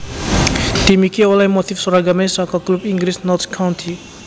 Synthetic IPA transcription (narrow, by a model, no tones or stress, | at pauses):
t̪imikiolajmot̪ifsɔɾaɡɐmẽsãkɔklubiŋɡɾisnɔt̪ʰkʰːawnt̪ʰi